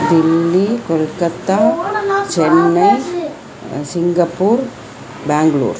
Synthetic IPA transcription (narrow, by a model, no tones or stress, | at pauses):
d̪ilːikolkɐt̪ːat͡ʃɛnːɐ | siŋɡɐpːuːɾ | baːŋɡɐɭṵːɾ